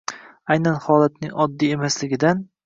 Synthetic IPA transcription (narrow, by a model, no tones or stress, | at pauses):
ajnanhɒlˠat̪̚nɪŋɒd̪ːie̞maslɪɡʲɪd̪an